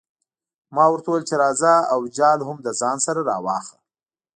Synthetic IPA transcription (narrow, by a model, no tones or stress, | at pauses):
mɑwəɾt̪awəlt͡ʃeɾɑzaawd͡ʒɑlhʊmd̪əzɑnsaɾaɾɑ̰wɑ̰xə